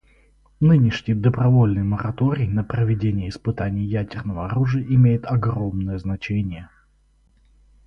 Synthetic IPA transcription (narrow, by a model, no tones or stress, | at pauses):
nɨnʲɪʂnʲɪjd̪əbɾɐvo̞lʲnɨjməɾɐt̪o̞ɾʲɪjnəpɾəvʲɪdʲenʲɪjəɪspɨt̪anʲɪjjædʲɪrnəvəɐɾuʐɨjəʔɪmʲejɪt̪ɐɡro̞mnəjəznɐt͡ɕenʲɪjə